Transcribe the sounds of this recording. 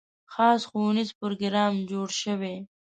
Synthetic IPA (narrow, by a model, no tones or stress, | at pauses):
xɑːsxownizpʊɾoɡɾɑːmd͡ʒoɽʃəwe